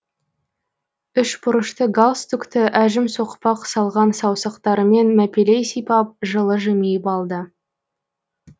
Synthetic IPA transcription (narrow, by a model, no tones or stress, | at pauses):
ʏʃbʊɾəʃt̪əɡalˠst̪ukt̪ɪʔæʒɪmso̞qpɑqsɑlˠʁɑnsɑwsɑqt̪ɑɾəme̞nmæpʲelejsijpɑp̚ʒəlˠəʒemejɪpɑlˠd̪ə